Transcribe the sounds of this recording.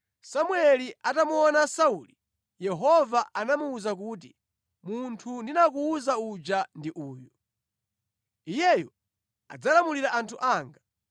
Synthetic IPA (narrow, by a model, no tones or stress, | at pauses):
samwɛliʔatamuɔnasauli | jɛɦɔvaʔanamuːzak̬uːt̬i | muntʰundinak̬uːzaud͡ʒandiʔuːjɔ | ijɛjɔ | a̰d͡zalamuliɾaʔantʰuʔaːŋɡa